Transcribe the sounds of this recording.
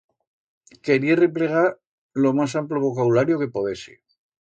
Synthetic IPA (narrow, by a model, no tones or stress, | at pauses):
ke̞ɾierepleɣ̞aɾ | lo̞masamploβo̞kaβulaɾjoke̞poðesḭ